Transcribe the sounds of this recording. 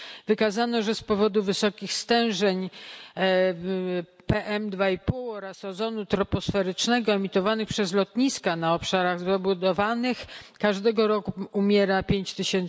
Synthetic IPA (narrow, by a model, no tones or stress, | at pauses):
vɘkazanɔʐɛspɔvɔd̪uvɘsɔkʲixst̪ɛw̃ʐɛɲ | pɛʔɛmd̪vaipulɔɾasɛzɔnut̪ɾɔpɔsfɛɾɘt͡ʂnɛɡɔɛmʲit̪ɔvanɘxpʂɛzlɔt̪ɲiskanaɔpʂaɾaɣzɔbud̪ɔvanɘxkaʐd̪ɛɡɔɾɔkuumʲjɛɾapʲjeɲt͡ɕt̪ɘɕɛn